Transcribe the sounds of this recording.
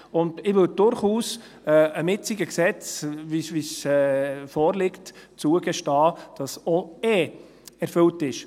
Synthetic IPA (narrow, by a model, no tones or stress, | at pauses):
ʊndɪʋʏld̥ʊɾχuːs | ɛəmɪt͡sɪɡəksɛt͡svivisɛːfɔːɾlɪktt͡suəɡ̥ɛʃtɑːd̥ɑsɔɛ | ɛɾfʏltɪʃ